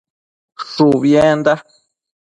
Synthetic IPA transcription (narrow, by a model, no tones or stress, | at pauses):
ʂuβjẽnd̪a